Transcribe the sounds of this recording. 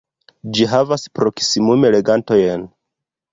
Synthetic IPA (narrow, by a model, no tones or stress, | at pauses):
d͡ʒiɦavaspɾo̞ksimume̞le̞ɡanto̞jen